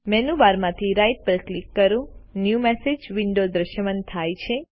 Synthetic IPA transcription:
mɛnuʋaɾmãt̪ʰiɾajʈ̚pəɾklikːəɾũnjumesed͡ʒʋiɳɖod̪ɾəʃjəmənt̪ʰajt͡ʃʰe

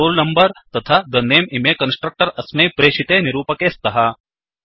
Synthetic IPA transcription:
oːlnɐmbɐɾt̪ɐt̪ʰaːd̪ɐnːeːmimeːkɐnsʈɾɐk̚ʈɐɾɐsmeːpɾeːʃit̪eːniɾuːpɐkeːst̪ɐɦɐ

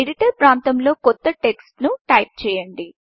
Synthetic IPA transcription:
eɖiʈɐɾpɾaːnt̪ɐmlo̞ːkɔt̪ːɐʈe̞ksʈnuʈɐjp̚t͡ʃɛːjɐɳɖi

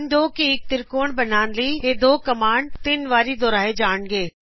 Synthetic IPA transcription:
nd̪oːkiɪk̚t̪ɪɾkoːɳbɐnaːnliːɦeːd̪oːkɐmaːɳt̪ɪnʋaːɾid̪oːɾaːɦed͡ʑaːɳɡeː

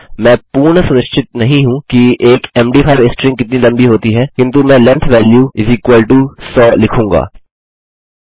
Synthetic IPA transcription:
mɛ̃ːpuːɾɳəsʊnɪʃt͡ʃʰɪt̪̚nɐɦĩɦũkiʔeːkɛːmɖiːpʰaːɪʋesʈɾɪ̃ŋkɪt̪nilɐ̃mbiɦoːt̪iɦɛːkɪ̃nt̪umɛ̃ːlɛ̃nt̪ʰʋɛːljuːɪziːkwaːlʈusɔːlɪkʰũːŋɡa̰ː

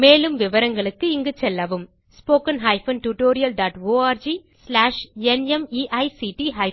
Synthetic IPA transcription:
meːlɯmʋɪʋɐɾɐŋɡɐɭɯkːɯɪŋɡɯt͡ʃɛlːɐʋɯm | spoːkɐnɦɐɪfɐnʈuʈoːɾɪjɐlɖaːʈoːaːɾd͡ʒi | slaːʂɛnɛmiːʔɐɪsiːʈiɦɐɪ

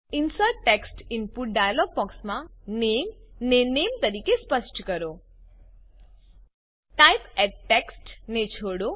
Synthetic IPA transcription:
insəʈːeksʈinpuʈ̚ɖajalɔɡ̚pɔksmãnemnenemt̪əɾiːkespəsʈkəɾo | ʈajpɛʈʈːeksʈnet͡ʃʰoɽo

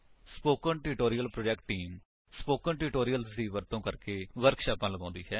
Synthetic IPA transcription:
spoːkəɳʈɪʈoːɾijəlpɾoːd͡ʒɛkʈːiːm | spoːkəɳʈɪʈoːɾijəlsd̪iːʋəɾt̪õːkəɾkeːʋəɾkʃaːpãːləɡãːnd̪iːɦɛː

